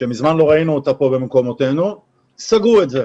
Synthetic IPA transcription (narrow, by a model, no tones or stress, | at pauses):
ʃemizmanlo̞ʁainuotapo̞be̞memko̞mo̞t̪e̞nu | saɡuetze